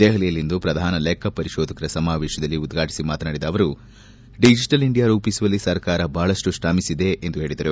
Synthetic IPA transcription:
d̪eːɦɐlijɐlːind̪upɾɐd̪ʱaːnɐlɛːkɐpɐɾiʃɔːd̪ɐkɐɾɐsɐmaːʋɛːʃɐd̪ɐlːiud̪ɡʱaːʈi̥simaːt̪naːɽid̪ɐːʋɐɾu | ɖid͡ʒiʈɐliɳɖijaːɾuːpisuʋɐlːisɐɾkaːɾɐbʱaːɭɐʂʈusʈaːmisid̪e̞ʔːnd̪uɦe̞ːɭid̪ɐɾu

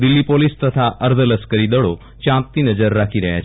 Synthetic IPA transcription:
d̪ɪlːipolɪst̪ət̪ʰaʔəɾd̪ʱələskəɾid̪əɭo | t͡ʃãːt̪ːinəd͡ʒəɾːakʰiɾəɦja̰t͡ʃʰ

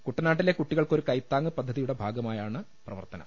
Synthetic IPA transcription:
kuʈːɐnaːʈːile̞kuʈːiɣɐɭko̞ɾukɐjt̪ːaːŋːɨpɐd̪ʱːɐðijuɽe̞bʱaːɡɐmaːjaːɳɨ | prɐʋɐ̰rt̪ɐnɐ̰

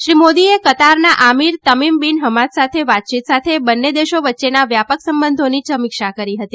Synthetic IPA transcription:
ʃɾimod̪iekət̪aɾnaʔamiɾt̪əmimbinɦəmat̪sat̪ʰeʋat̪̚t͡ʃit̪sat̪ʰebənːed̪eʃoʋətːʃenaʋjapəksəmbənd̪ʱonisəmikʃakəɾiɦət̪i

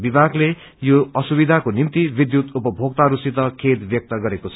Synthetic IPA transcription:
bibʱaɡle | joʌsubid̪ʱakonimt̪ibid̪jut̪upʌbʱoɡ̚t̪aɾusit̪ʌkʰed̪bjʌk̚t̪ʌɡʌɾekot͡sʰʌ

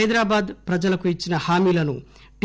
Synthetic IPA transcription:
jd̪ɾaːbaːd̪pɾɐd͡ʒɐlɐkuit͡ʃːinɐhaːmiːlɐnu | ɖ

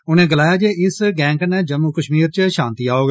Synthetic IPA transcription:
ʊnẽːɡəlaːjaːd͡ʒeːʔɪsɡɛ̃ːŋknɛːd͡ʒəmːuːkəʃmiːɾt͡ʃʃãːnt̪iːaːoːɡ

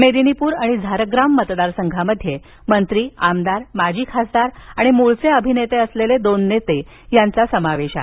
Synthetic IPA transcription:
med̪inipuːɾaɽ̃id͡zʱaɾəɡɾamːət̪d̪aɾsəŋɡʱaməd̪ʱːje | mənt̪ɾiːamd̪aɾmad͡ʑiːkʰasd̪aɾaɽ̃imuɭt͡seəbʱinet̪eəsleled̪onːet̪e | jant͡sasəmaʋeɕa̰

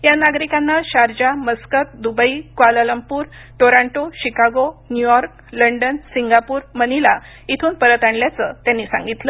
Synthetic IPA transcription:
janaɡɾikanːaɕaɾd͡ʑaməskət̪̚d̪ubəikʋalələmpuːɾ | ʈoɾãɳʈoɕikaɡonjujɔɾk | ləɳɖənsiŋɡapuːɾmənila | it̪ʰuːnpəɾət̪aɳljat͡sət̪janːiːsã̰ŋɡit̪lə

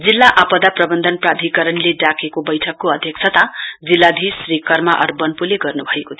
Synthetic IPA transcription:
d͡zilːaʔapʌd̪aprʌbʌnd̪ʱʌnprad̪ʱikʌɾʌnleɖakekobʌjʈʰʌkːoʌd̪ʱjʌk̚t͡sʰʌt̪ad͡zilːad̪ʱisrikʌrmaʔʌ̰rbʌnpuleɡʌrnubʱʌekot̪ʰ

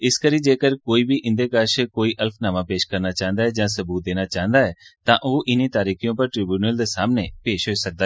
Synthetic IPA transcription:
ɪskəɾĩːd͡ʒeːkəɾkoːiːbiːʔɪ̃nd̪eːkaɾʃekoːiːʔəlpʰnaːmãːpeːʃkəɾnaːt͡ʃãːə̃nd̪aːɦɛːd͡ʒãːsəbuːt̪̚d̪eːnaːt͡ʃãːɦə̃nd̪aːɦɛːt̪ãːʔoːʔɪniːt̪aːɾiːkijõːpəɾʈɾɪːbjuːnəld̪eːsaːmneːpeːʃɦoisək̚d̪aː

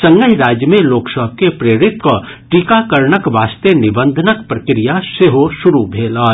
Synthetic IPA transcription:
sɐ̃ŋɡəɦɾaːd͡ʒjəmẽloːksəb̚ʱkepɾeːɾɪt̪ko | ʈiːkakəɾɳəkʋaːst̪enɪbə̃nd̪ʱənəkpɾɐkɾijaseɦoʃʊɾubʱeːlaː

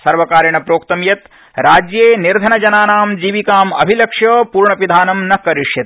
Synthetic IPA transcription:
sɐɾʋɐkaːɾjɐɳɐpɾoːkt̪ɐmjɐt̪ | ɾaːd͡ʒjeːniɾd̪ʱɐnɐd͡ʒɐnaːnaːmd͡ʒiːʋikaːmɐbʱilɐkʂjɐːpuːɾɳɐpid̪ʱaːnɐmnɐkːɐɾiʂjɐt̪

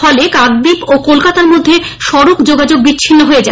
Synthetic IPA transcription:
ɔlekaɡd̪ipokolkat̪aɾmod̪ʱːe | ʃɔɾokd͡ʑoɡad͡ʑoɡ̚bit͡ɕːɕʰinːoɦoed͡ʑa

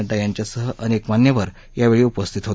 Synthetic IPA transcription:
əʈ̪ajaɲt͡ɕjasəɦəʔənekmanjəʋəɾ | jaʋeɭiːupəst̪ʰit̪ɦot̪

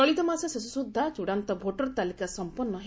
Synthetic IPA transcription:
ɔɭit̪ɔmasesesusud̪ʱːat͡ʃuɽant̪ɔbʱoʈɔɾt̪alikasɔmpɔnːɔɦe

